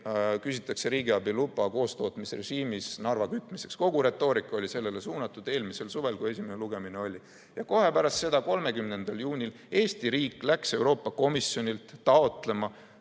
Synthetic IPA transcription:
kysit̪ːˑɑkse̞ɾiːɡiɑbilubˑɑko̞ːst̪o̞ːt̪ˑmisre̞ʒiːmisnɑrvɑkyt̪ːˑmise̞ksko̞ɡ̥uɾe̞t̪ːˑo̞ːɾikːˑo̞lʲise̞lːe̞le̞suːnɑt̪ːˑud̪e̞ːlmise̞lsuve̞lkue̞sʲimeneluɡ̥e̞mineo̞lʲi | jɑko̞ɦe̞pæɾɑst̪se̞d̪̥ɑko̞lme̞kymne̞nd̪̥ɑljuːnʲil | e̞ːst̪iɾiːkˑlækse̞wɾo̞ːpːˑɑko̞misjo̞nʲilt̪ːɑo̞t̪ˑle̞mɑ

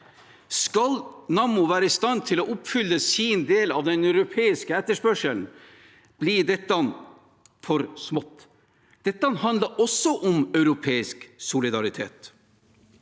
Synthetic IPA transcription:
skɑlnɑːmʊʋæːɾəist̪ɑnt̪ʰɪloːʔʊpfʏlːəsiːnd̪eːlɑʋd̪ɛnœʉɾʊpʰeːɪskəɛt̪ːəʂpœʂəln̩ | b̥liːd̪ɛt̪ːn | fɔɾsmɔt̪ː | d̪̥ɛt̪ːəɑnhɑnd̪ləɾʔɔsɔʔɔmœʉɾʊpʰeːɪsksʊlɪd̪ɑɾɪt̪ʰḛːt̪

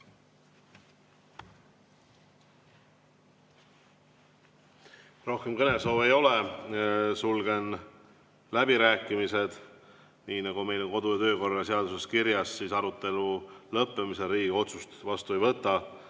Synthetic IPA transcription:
ro̞hke̞mkɤne̞so̞ːve̞jo̞le | sulɡ̥e̞n | læbiɾæːkːˑimise̞d̪̥ | niːnɑɡ̥ume̞jlo̞nko̞d̪̥ujɑt̪ø̞ːko̞rːɑseɑd̪̥use̞skiɾjɑssiːsɑɾut̪ːˑe̞lulɤpːemiseɾiːɡeo̞t̪sust̪vɑst̪uejvɤt̪ːˑɑ

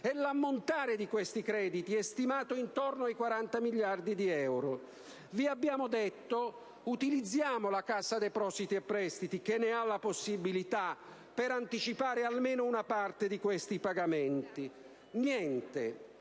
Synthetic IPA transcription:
ɛlamːont̪aːɾɪd̪ikwest̪ikɾɛːd̪it̪iɛst̪imaːt̪oint̪ornoajkwaɾant̪amiʎːard̪id̪iɛwɾo | viabːjaːmod̪et̪ːo | ut̪ilid̪zːjaːmolakasːad̪ejpɾɔsit̪iapːɾɛst̪it̪ikenːɪalːaposːibilit̪a | pːeɾant̪it͡ʃipaːɾɪalmeːnounapart̪ed̪ikwest̪ipaɡamɛnt̪i | njɛnt̪e

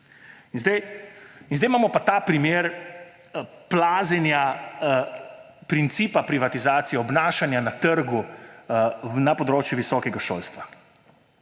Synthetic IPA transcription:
inzd̪ɛjinzd̪ɛɪjmaːmɔpat̪aːpɾimeːɾ | plaːzɛnja | pɾint̪siːpapɾiʋat̪izaːt̪sijɛɔbnaːʃanjanat̪əɾɡu | napɔd̪ɾoːt͡ʃjuʋisɔːkɛɡaʃo̰ːlst̪ʋa

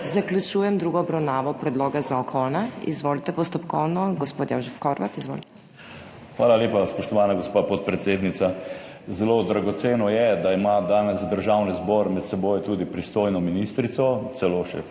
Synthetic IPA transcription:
zaklʲut͡ʃuːjɛmd̪ɾuːɡɔɔbɾawnaːʋɔpɾɛd̪loːɡazaɔkʰɔnaḭzʋoːlit̪ɛpɔst̪ɔpkɔwnɔɡɔspoːt̪ja̰wʒɛfkɔɾʋat̪izʋo̰ːlit̪ɛ | xʋaːlaleːpaspɔʃt̪ɔʋaːnaɡospaːpɔt̪̚pɾɛt̪seːd̪nit̪sa | zɛloːd̪ɾaɡɔt̪seːnɔjɛd̪aimad̪aːnɛsd̪əɾʒawnizbɔɾmɛt̪sɛboːjt̪uːd̪ipɾist̪oːjnɔminist̪ɾit̪sɔt̪sɛloːʃɛ̰

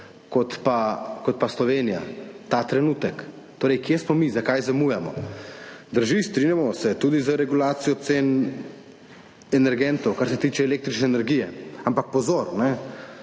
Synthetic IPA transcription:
kɔt̪pakɔt̪̚paslɔʋenija̰t̪at̪ɾɛnut̪ək | t̪oːɾɛjkjesmɔmizakajzamujɛmɔ̰ | d̪əɾʒist̪ɾinjamɔsɛt̪uːd̪izəɾɛɡulaːt̪sijɔt̪seːn | ɛnɛɾɡɛnt̪ɔwkaɾsɛt̪iːt͡ʃɛːlek̚t̪ɾit͡ʃnɛːnɛɾɡiːjɛampak̚pɔzoɾnɛ

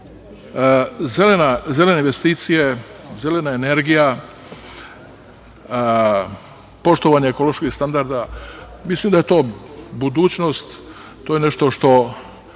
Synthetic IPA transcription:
zelenaze̞leneinʋest̪iːt̪sijeze̞le̞naeneɾɡija | po̞ʃt̪oʋaɲeeko̞lˠo̞ʃkist̪and̪aɾd̪amislimd̪aje̞t̪o̞ːbud̪uːt͡ɕno̞st̪ː | oːjene̞ʃt̪o̞ʃt̪o̞

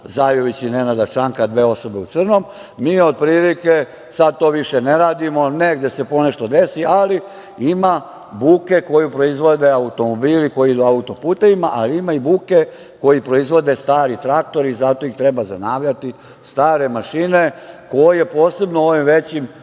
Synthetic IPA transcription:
zajoʋit͡ɕine̞nad̪at͡ʃaŋkad̪ʋe̞ːo̞so̞be̞ut̪sr̩no̞m | miːo̞d̪̚pɾiːlike | sad̪̚t̪o̞ːʋiʃeneɾaːd̪imo̞neɡd̪jese̞po̞neʃt̪o̞d̪e̞siʔali | ima | buːke̞ko̞jupɾo̞izʋo̞d̪e̞aut̪o̞mo̞biːliko̞jiid̪uaut̪o̞puːt̪e̞ʋimaʔaliimaibuːke | ko̞jipɾo̞izʋo̞d̪e̞st̪aːɾit̪ɾak̚t̪o̞ɾizat̪o̞ixt̪ɾe̞bazanaːʋʎat̪i | st̪aːɾe̞maʃinekojje̞po̞ːse̞bnoo̞ʋimʋe̞t͡ɕim

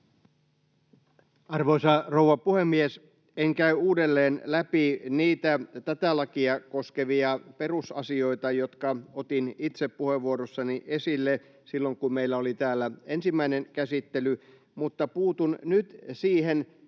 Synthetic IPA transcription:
ɑrʋoisɑrowʋɑpuhemːies | eŋkæyuːdelːeːnlæpiniːt̪æt̪æt̪ælɑkiɑkoskeʋiɑperusɑ̰sio̞it̪ɑjot̪kɑot̪init̪seppuheʋːuoɾosːɑniʔesilːe | silːoŋkummeilːæolit̪æːlːæensimːæineŋkæsit̪ːely | mut̪ːɑpuːt̪unnyt̪siːhen

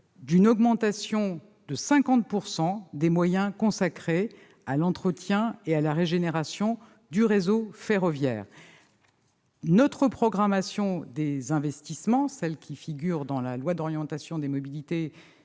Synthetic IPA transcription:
d̪ynɔɡmɑ̃t̪asjɔ̃ | d̪əsɛ̃kɑ̃t̪̚puʁsɑ̃d̪emwajɛ̃kɔ̃sakχe | alɑ̃t̪χət̪jɛ̃ealaʁeʒeneʁasjɔ̃ | d̪yʁezofeʁɔvjɛ̰ːʁ | nɔt̪χəpχɔɡʁamasjɔ̃d̪ezɛ̃vɛst̪ismɑ̃sɛlkʲʰifiɡʲyʁd̪ɑ̃lalwad̪ɔʁjɑ̃t̪asjɔ̃d̪emɔbilit̪e

